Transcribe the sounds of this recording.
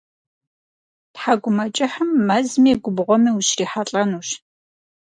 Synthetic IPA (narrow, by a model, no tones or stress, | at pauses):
tħaɡʷʊmɐt͡ʃʼɪħəmːɐzmiɡʷʊbʁʷɔmiːwʊɕriːħaɬʼɐnuːʃ